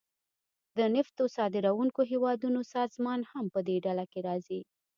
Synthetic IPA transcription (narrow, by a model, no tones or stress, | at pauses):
d̪ənɪft̪osɑd̪ɪɾawuŋkoɦewɑd̪unosɑzmɑnhampəd̪eɖalakeɾɑzi